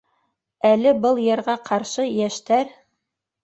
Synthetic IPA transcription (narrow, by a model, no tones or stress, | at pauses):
ælɘbɤlˠjɤ̆ɾʁɑqʰɑɾʃɤjæʃt̪æɾ